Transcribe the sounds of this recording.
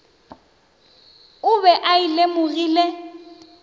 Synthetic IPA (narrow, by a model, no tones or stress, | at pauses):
ʊbɛʔaɪlemʊɣiːle